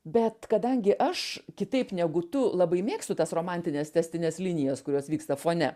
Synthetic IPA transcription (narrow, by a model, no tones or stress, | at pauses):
bʲɛt̪kɐd̪ɐŋʲɡʲɪʔɐʃkʲɪt̪ɐɪpnʲɛɡʊt̪ʊlˠɐbɐɪmʲeːkst̪ʊt̪ɐsroːmɑnʲt̪ʲɪnʲeːst̪ʲɛsʲt̪ʲɪnʲeːslʲɪnʲɪjɛskʊɾʲoːsʋʲiːkst̪ɐfoːnʲɛ